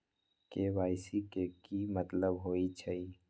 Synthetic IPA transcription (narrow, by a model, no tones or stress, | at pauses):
keʋaːɪsikekimət̪ləbɦoːit͡ʃʰəi